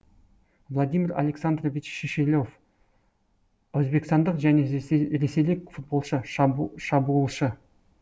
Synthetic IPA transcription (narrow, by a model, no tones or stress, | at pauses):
vlˠad̪ijmʲɪɾa̰lʲe̞ksand̪rovit͡ʃʃeʃelʲo̞f | ɵzbe̞kst̪ɑnd̪əqʒæne̞ɾe̞sejlɪkʲfut̪̚bo̞lˠʃəʃɑbulˠʃə